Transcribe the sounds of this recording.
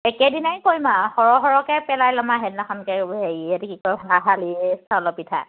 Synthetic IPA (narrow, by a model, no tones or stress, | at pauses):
ɛkɛdinajkojmahɔɹɔɦɔɹɔkɛpɛlajlɔmaɦɛdnaxʰɔnkɛɦeiɛtɛkikɔjbʱaɦalistʰalɔpitʰa̰